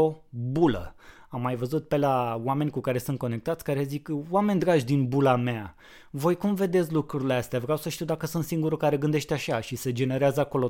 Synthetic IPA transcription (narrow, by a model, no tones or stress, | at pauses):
obulə̰amːajvəzut̪̚pe̞lawame̞nʲkukaɾe̞sunt̪̚ko̞ne̞kt̪at̪sʲkaɾe̞zikoame̞nʲd̪ɾaʒʲd̪inbulamea | vo̞jkumve̞d̪esʲlukɾuɾileast̪eavɾeawsəʃt̪iwd̪akəsunt̪siŋɡuɾukaɾe̞ɡɨnd̪e̞ʃt̪ʲaʃaʃise̞d͡ʒe̞ne̞ɾeazəako̞lo̞